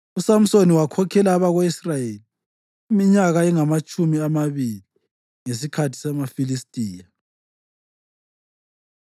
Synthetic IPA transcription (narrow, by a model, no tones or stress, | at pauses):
usam̩soniwakʰɔkʰɛlaːβaɣwisrajeli | imiɲaɣaiŋamat͡ʃʼumiamaβili | ŋesikʰatʰi̥sɛmafilistʼiːja